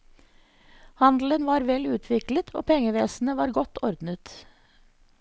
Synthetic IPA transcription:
hɑnd̪l̩ənʋɑːɾʋɛlʉːt̪ʰʋɪklət̪ʰo̰ːpʰɛŋəʋeːsn̩əʋɑːɾɡɔt̪ʰɔɾd̪nət̪

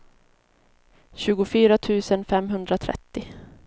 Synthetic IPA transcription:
ɕʉ̟ːɡʊfyːɾat̪ʰʉ̟ːsənfɛmɦɵnd̪ɾat̪ʰɾɛ̰t̪ːɪ

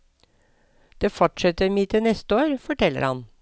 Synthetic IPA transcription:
d̪̥eːfɔʈʂɛt̪əɾmiːt̪ʰɪnɛst̪əoːɾfɔʈʰɛlːə̰ɾhɑ̰n

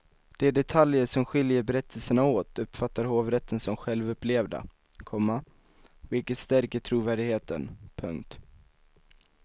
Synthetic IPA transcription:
d̪̥ɛɖɛt̪ʰaljəʂɔmɧɪljəɾbɛɾɛt̪ʰːəlsəɳaoːt̪ʰɵpːfat̪ːaɾɦoːvɾɛt̪ʰːənsɔmɧɛlvɵpːleːvd̪a̰ | kʰɔmːa | vɪlkət̪st̪æɾkəʈʰɾuːvæːɖɪɡheːt̪ə̰npʰɵ̰ŋkt̪

